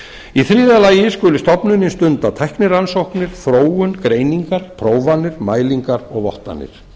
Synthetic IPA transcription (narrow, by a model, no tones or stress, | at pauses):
iθɾiːðalaːjɪskʏlʏst̪ɔpnʏnɪst̪ʏnt̪at̪ʰɛjhknɪɾransowhknɪɾ̥fɾoːwʏnkɾeːjniŋkaɾ̥pʰɾoːwvanːɪɾ̥maːjliŋkaɾɔɣvɔ̰ht̪a̰nːɪ̰ɾ̥